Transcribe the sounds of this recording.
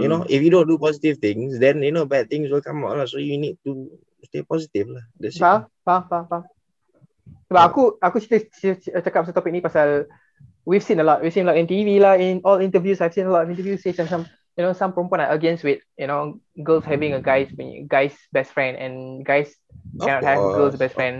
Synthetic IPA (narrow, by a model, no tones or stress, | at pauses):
junoʔifjudõndupɔzitivt̪ɪ̃ŋsdɛ̃njunobɛd̚t̪ɪ̃ŋswɪlkãmatəlɔsojunid̚tu | stepɔzitivladɛsa | papapa | baakuakusitəsət͡ʃəkat̚pasatɔpik̚nipasal | wifsĩnəlɔt̚wisĩnəlɔʔĩntivilaĩnɔlĩntəvjusajfsĩnəlɔtɔfĩntəvjusesasãm | junosãmpõmpɔ̃naʔəɡɛ̃nswɪt̚junoɡəlshɛvĩŋəɡaɪswĩɡaɪs | bɛstfɹɛ̃ndɛ̰̃nɡajs | kkɛ̃nɔthɛvɡəls̬bɛstfɹɛ̃n